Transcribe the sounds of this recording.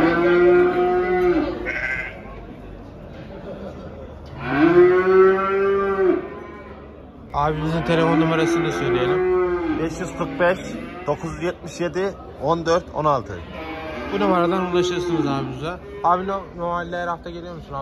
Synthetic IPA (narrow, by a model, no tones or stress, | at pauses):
aːbiizint̪ʰe̞lʲe̞fo̞numaɾasɯnd̪asøjlʲejelʲimbɛʃjyzkʰɯɾk̚bɛʃd̪̥o̞kʰuzjɛt̪̚miʃje̞d̪i | ond̪øɾt̪ʰo̰nalˠt̪ʰɯ̰ | bunamaɾad̪anunlˠaʃɯɾsɯnɯzaːbiuza | aːbinonoɾmalʲːæɾhaft̪ʰaɟelʲijo̞ɾmusuna